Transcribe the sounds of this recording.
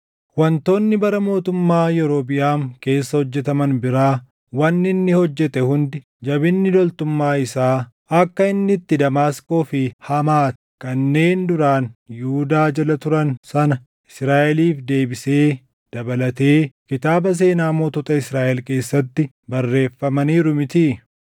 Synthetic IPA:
wɐnt̪o̞ːnːɪbɐɾɐmo̞ːt̪ʊmːaːjɛɾo̞ːbɪʔaːŋke̞ːsːɐhɔd͡ʒːɛt̪ɐmɐnbɪɾaː | wɐnːɪnːɪhɔd͡ʒːɛt̪ɛhʊnd̪ɪ | d͡ʒɐbɪnːɪd̪ɔlt̪ʊmːaːɪsaː | ɐkːɐɪnːɪt̪ːɪd̪ɐmaːskʼo̞ːfɪhɐmaːt̪ɛ̥kɐnːe̞ːnd̪ʊɾaːnjʊʊd̪aːd͡ʒɐlɐt̪ʊɾɐnsɐnɐ | ɪsɾaːʔɛliːfd̪e̞ːbɪseː | d̪̥ɐbɐlɐt̪e̞ːkɪt̪aːbɐs̬e̞ːnaːmoːt̪ɔt̪ɐɪsɾaːʔɛlke̞ːsːɐt̪ːɪ | bɐrːe̞ːfːɐmɐniːɾʊmɪt̪i

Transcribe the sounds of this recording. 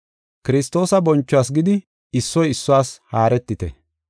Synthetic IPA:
kɪɾɪst̪o̞ːsɐbɔnt͡ʃːɔwaːs̬ɡɪd̪ɪ | ɪsːɔjɪsːʊwaːshaːɾɛt̪ːɪt̪ɛ̰

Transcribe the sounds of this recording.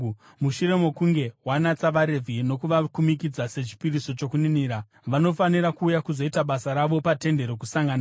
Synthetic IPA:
muʃuɾe̞mo̞kuŋɡe̞wanat͡saʋaɾe̞vʱino̞kuʋakumikid͡zase̞t͡ʃi̥piriso̞t͡ʃo̞kuniniːɾa | ʋano̞faniɾakuːjakuzo̞itaɓasaɾaʋo̞pate̞nde̞ɾokusaŋɡana

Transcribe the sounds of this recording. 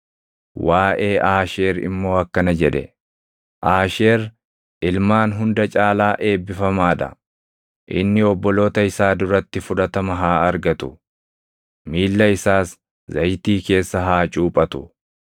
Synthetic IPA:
waːʔe̞ːʔaːʃe̞ːɾɪ̰mːo̞ːɐkːɐnɐd͡ʒɛᶑɛ̰ | ʔaːʃeːɾ | ʔɪlmaːnɦʊnd̪ɐt͡ʃʼaːlaːʔe̞ːbːɪfɐmaːᶑɐ̰ | ʔɪ̰nːɪɔbːɔlo̞ːt̪ɐɪsaːd̪ʊɾɐt̪ːɪfʊᶑɐt̪ɐmɐɦaːɐɾɡɐt̪ʊ | miːlːɐɪsaːs | zɐjt̪iːke̞ːsːɐɦaːt͡ʃʼuːpʼɐt̪ʊ

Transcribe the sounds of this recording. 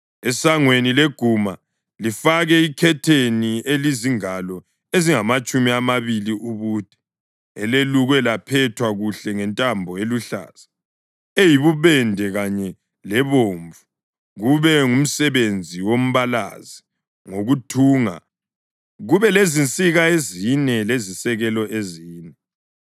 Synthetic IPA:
ɛsaŋwenileɡ̥ʱuma | lifaɣɛikʰɛtʰenieliziŋalɔ | eziŋamat͡ʃʼumiamaβiliʔuβuːd̥ʱɛ̥ | ɛleluɣwɛlapʰɛtʰwaɣuɬɛŋɛntʼambʱɔeluɬa̰ːz̥a | ejiβuβɛndʱɛɣaɲɛ | lɛβoːɱvu | ɣuβɛŋum̩sɛβend͡zʱiwom̩βala̰zi | ŋoɣutʰuːŋa̰ | ɣuβɛlezint͡sʼiɣaezinɛlezisɛɣɛlɔʔeziːnɛ

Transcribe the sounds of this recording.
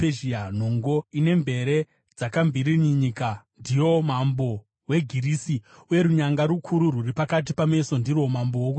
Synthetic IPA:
eʒian̤o̞ŋɡo̞ine̞mbe̞ɾe̞ | d͡zakambʱiriɲiɲikandijo̞mambo̞ | we̞ɡʱirisiuje̞ɾuɲaŋɡaɾukʰuɾururipakat̬ipame̞so̞ndiromambowoku

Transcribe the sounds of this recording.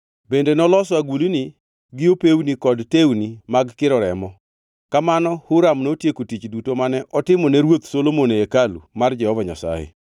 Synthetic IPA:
bendenɔlɔswaɡulini | ɡɪopewnikɔdtewnimaɡkɪɾɔɾɛmɔ | kamanɔhʊɾamnotjekotit͡ʃdutomanɛʔɔtɪmɔnɛɾwot̪solomoneekalṵmard͡ʒɛhɔvaɲa̰sa̰jḛ

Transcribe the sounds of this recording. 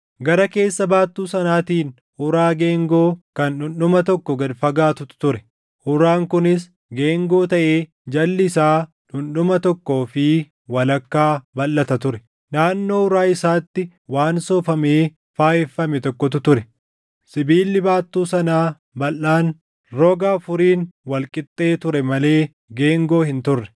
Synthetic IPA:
ɡɐɾɐke̞ːsːɐbaːt̪ːuːsɐnaːt̪iːn | ʊɾaːɡeːŋɡo̞ːkɐnᶑʊnɗʊmɐt̪ɔkːɔɡɐd̪fɐɡaːt̪ʊt̪t̪ʊɾɛ | hʊɾaːŋkʊnɪs | ɡeːŋɡo̞ːt̪ɐʔeː | d͡ʒɐlːɪɪsaː | ᶑʊnɗʊmɐt̪ɔkːoːfɪ | wɐlɐkːaːbɐlːɐt̪ɐt̪ʊɾɛ | naːnːo̞ːʊɾaːɪsaːt̪ːɪ | waːnsɔːfɐmeː | faːjɛfːɐmɛt̪ɔkːɔt̪ʊt̪ʊɾɛ | sɪbiːlːɪbaːt̪ːuːsɐnaː | bɐlːaːn | ɾɔɡaːfʊɾiːnwɐlkʼɪt̪ʼːe̞ːt̪ʊɾɛmɐle̞ː | ɡe̞ːŋɡo̞ːhɪnt̪ʊrːɛ̥

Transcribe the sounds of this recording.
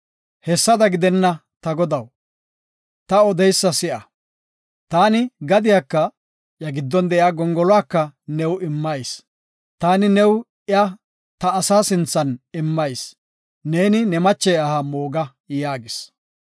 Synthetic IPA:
hɛsːɐd̪ɐɡɪd̪ɛnːɐ | t̪ɐɡɔd̪ɐw | t̪ɐɔd̪ɛjsːɐsɪʔɐ | t̪aːnɪɡɐd̪ɪjakːɐ | ʔjɐɡɪd̪ːɔnd̪ɛʔjaːɡɔŋɡɔlɔwaːkːɐnɛwɪmːɐjs | t̪aːnɪnɛw | ʔɪɐ | t̪ɐːsaːsɪnt͡sːɐnɪmːɐjs | neːnɪnɛmɐt͡ʃːɛjɐhamoːɡɐ | jaːɡɪs

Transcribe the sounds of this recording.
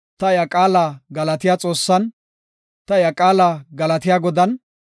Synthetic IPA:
t̪ɐjɐkʼaːlaːɡɐlɐt̪ɪjaːt͡sʼo̞ːsːɐn | t̪ɐɪjɐkʼaːlaːɡɐlɐt̪ɪjaːɡɔd̪ɐn

